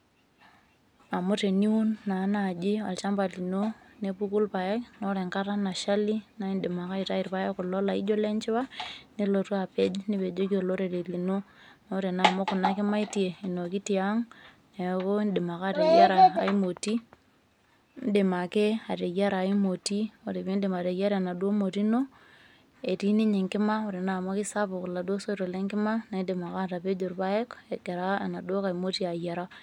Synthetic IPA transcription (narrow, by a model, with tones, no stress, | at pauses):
a˨mʊ˦te˨ni˦u˦nːa˨˦na˨d͡ʒɪ˦a˨lt͡ʃa˦mpa˨li˨no˦ne˦pu˦ku˦lpa˨ɛ˦kno˦ɾe˨ŋka˦ɾa˦na˨ʃa˦li˦na˦i˦nɗɪ˨ma˨ka˦i˨ta˦i˨ɾpa˦je˦kʊ˨lɔ˦la˨ḭ˦d͡ʒo˦le˦nt͡ʃɪ˦wa˦ni˦lo˨tu˦a˨pe˦d͡ʒni˦pe˨d͡ʒo˦ki˦o˨lo˦ɾe˨ɾe˨li˨no˦ | no˦ɾe˨na˨mo˦kʊ˨na˦kɪ˦ma˦i˦ti˨e˨i˨no˨ki˦ti˨a˦ŋ | ne˨ko˦nde˨ma˨ka˦˨te˨ja˦ɾaː˨i˦mo˨ti˦ | n˦de˨ma˨ke˦a˨te˨ja˦ɾa˨i˦mo˨ti˦o˨ɾe˨βi˦nde˨ma˨ɾe˨ja˦ɾa˨na˨dwo˦mo˨ti˦no˦ | e˨ti˦ni˦ɲe˨ŋkɪ˦ma˦o˨ɾe˨na˨mo˦ki˦sa˦βu˨ku˨la˨dwo˦so˦ɾo˨le˦ŋkɪ˦ma˦na˨˦de˨ma˨ka˦˨ta˨pe˦d͡ʒo˨ɾβa˦e˦ke˨ke˨ɾa˦a˨na˨do˦ka˨i˨mo˦ti˦a˨ja˨ɾa˦